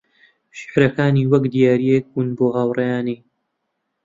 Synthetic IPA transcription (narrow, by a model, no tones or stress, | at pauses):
ʃɪ̥ħɾɐkaːniːwɐkd̪ijaːɾijek̚bunboːɣaːwrɐjaːniː